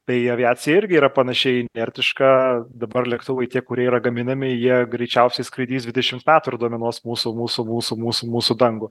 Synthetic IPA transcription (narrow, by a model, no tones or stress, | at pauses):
t̪ɐɪɐʋʲɪaːt͡s̪ʲɪjɛɪɾʲɡʲɪiːɾɐpɐnɐʃʲɛɪɪnʲɛɾʲt̪ʲɪʃkɐd̪ɐbɐrlʲɛkt̪ʊʋɐɪt̪ʲiɛkʊɾʲiɛiːɾɐɡɐmʲɪnɐmʲɪjiɛɡɾʲɛɪt͡ʃʲɛʊsʲɛɪskɾʲɐɪd̪ʲiːsd̪ʲʋʲɪd̪ʲɛʃʲɪmt̪mʲæːt̪ʊɪrd̪uɔmʲɛnuɔsmuːsʊmuːsʊmuːsʊmuːsʊmuːsʊd̪ɐŋɡʊ